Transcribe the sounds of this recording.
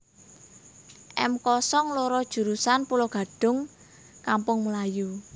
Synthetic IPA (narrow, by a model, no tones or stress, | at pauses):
ʔɛ̰mkɔsɔŋloɾɔd̥ʒ̥ṳɾusanpulɔɡ̥ä̤ɖ̥ʊ̤ŋ | kampʊŋməlaju